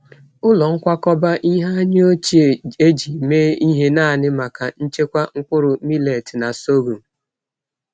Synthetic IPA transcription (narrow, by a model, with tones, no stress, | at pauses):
ʊ˦lɔ˨ŋ̩˦kʷa˦kɔ˦ba˦ʔi˦ɦa˦ɲe˦o˦t͡ʃi˨e˨e˦d͡ʒi˨meː˦i˦ɦe˦na˦˨nɪ˦ma˨ka˨n̩˦t͡ʃe˦kʷa˦ŋ̩˦kʊ˦ɾʊ˨mi˦le˨ti˨na˨so˦ɡu˨m˨